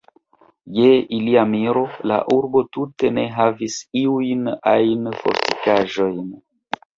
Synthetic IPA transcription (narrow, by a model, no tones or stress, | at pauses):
je̞ʔiliamiɾo̞la̰ʔuɾbo̞tute̞ne̞ɦavisiujnajnfo̞̰ɾti̥kaʒo̞jn